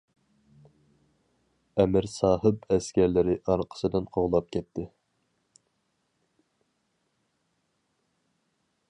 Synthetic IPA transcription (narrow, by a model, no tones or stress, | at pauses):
ɛmɪɾsɑːhɨpɛskʲɛɾlɪɾɪʔɑɾqʰə̥sɨd̪ɪnqʰoʁlˠɑp̚kʲʰɛt̪ʰːɪ